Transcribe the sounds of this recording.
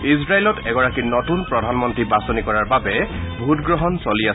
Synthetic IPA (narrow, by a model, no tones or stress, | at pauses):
isɹailɔtʰɛɡɔɹakinɔtunpɹɔdʱanmɔntɹibasɔnikɔɹaɹbabɛbʱutɡɹɔɦɔnsolia